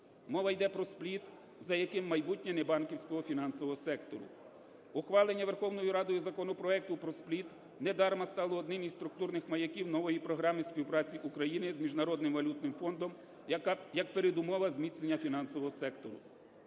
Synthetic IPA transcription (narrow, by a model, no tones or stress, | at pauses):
mɔʋɐjd̪ɛpɾɔsplʲit̪ | zɐjɐkɪmːɐjbutʲnʲɛnɛbɑnkʲiwsʲkɔɦɔfʲin̪ɑnsɔʋɔɦɔsɛkt̪ɔ̰ɾʊ̰ | ʊxʋɑlˠenʲːɐʋerxɔwnɔjʊɾɑd̪ɔjʊzɐkɔnɔpɾɔɛk̚t̪ʊpɾɔsplʲit̪ | nɛd̪ɑɾmɐst̪ɑlˠɔːd̪nɪmizst̪ɾʊk̚t̪urnɪxmɐjɐkʲiwnɔʋɔjipɾɔɦɾɑmɪspʲiwpɾɑt͡sʲiʔukɾɐjinɪzmʲiʒnɐɾɔd̪nɪmʋɐlʲut̪̚nɪmfɔnd̪ɔm | jɐk̚peɾed̪ʊmɔʋɐzmʲit̪snenʲːɐfʲinɑnsɔʋɔɦɔsɛkt̪ɔɾʊ̰